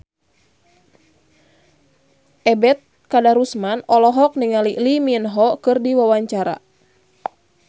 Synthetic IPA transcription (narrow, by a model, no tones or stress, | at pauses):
ʔɛbɛt̪̚ | kadaɾusmanɔlɔɦɔk̚niŋaliliminɦɔkɨrdiwawaɲt͡ʃaɾa̰